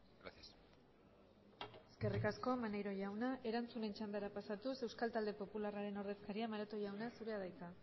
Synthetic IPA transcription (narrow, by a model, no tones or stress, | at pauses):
ɡɾasias | e̞ske̞rikasko̞manejɾo̞ʝawnaʔe̞ɾant͡sune̞nt͡ʃand̪aɾapasat̪use̞wskalt̪ald̪e̞po̞pularaɾe̞no̞ɾðe̞skaɾiamaɾat̪oʝawnasuɾe̞aðajt͡s̪a